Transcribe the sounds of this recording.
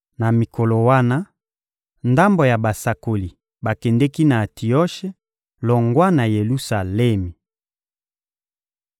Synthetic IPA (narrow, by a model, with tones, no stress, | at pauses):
na˨mi˨ko˨lo˨wa˦na˦ | nda˦mbo˨ja˨ba˨sa˨ko˨li˨ | ba˨kɛ˨ndɛ˦ki˦na˨tʰi˨ɔ˦ʃe˦ | lɔ˨ŋɡwa˦na˨je˨lu˦sa˨lɛ˦mi˨